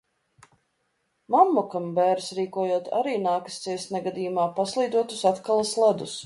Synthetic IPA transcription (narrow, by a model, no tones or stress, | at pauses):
mamːɔkambɛːɾsɾiːkuɔjuɔt̪a̰ɾiːnaːkḁst̪siɛsnɛɡad̪iːjumaːpaslˠiːd̪uɔt̪usat̪kalˠaslˠad̪us